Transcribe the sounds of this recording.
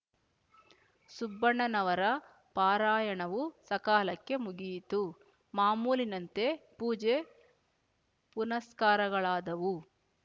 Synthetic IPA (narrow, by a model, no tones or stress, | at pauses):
subːɐɳːɐnɐʋɐɾɐ | paːɾaːjɐɳɐʋusɐkaːlɐkːe̞muɡijt̪u | maːmuːlinɐnt̪e̞puːd͡ʒe | punɐskaːɾɐɡɐɭaːd̪ɐʋu